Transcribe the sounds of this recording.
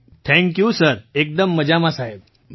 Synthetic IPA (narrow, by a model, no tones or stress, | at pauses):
t̪ʰɛ̃ŋkjusəɾek̚d̪əmːəd͡ʑamasaɦeb